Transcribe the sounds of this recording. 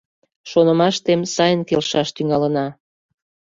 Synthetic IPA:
ʃonəmɑʃt̪emsɑjənkelʃɑʃt̪yŋɑlənɑ

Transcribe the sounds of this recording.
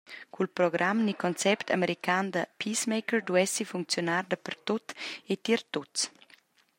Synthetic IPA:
kʰulpɾɔɡɾʔamnikɔnt͡sɛpt̪ʰa̰meɾikaːnd̪əpʰismejkəɹd̪uɛsifuŋk̚t͡sjonaːrd̪əpərt̪ot̪et̪iɾt̪ot͡s

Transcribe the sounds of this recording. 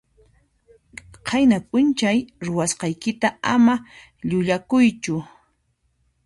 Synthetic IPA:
qʰɑjnapʼʊnt͡ʃajɾʊwasqɑjkɪt̪aama | ʎʊʎakʊjt͡ʃʊ

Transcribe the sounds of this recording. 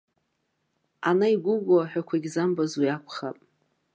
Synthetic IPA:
anaiɡʷʊɡʷaħʷᶣakʷʰaɡʲzambazwiakʷʰχapʼ

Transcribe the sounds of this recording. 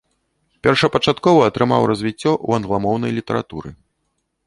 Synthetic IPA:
pʲɛrʂɐpɐt͡ʂat̪kɔvɐːt̪ɾɨma̰wrɐzʲvʲit͡sʲːɔʔṵɐnɣlˠamɔwnɐjlʲit̪ɐɾa̰t̪ṵɾɨ̰

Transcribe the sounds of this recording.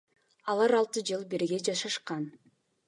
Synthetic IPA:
ɑlˠɑɾɑlˠt̪ɯd͡ʒɯlˠbeɾɡe̞d͡ʒɑʃɑʃqɑn

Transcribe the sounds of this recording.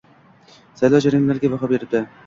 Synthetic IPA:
sajlˠɒwd͡ʒaɾɪmlaɾɡʲabaɦɒbe̞ɾɪb̚d̪ɪ

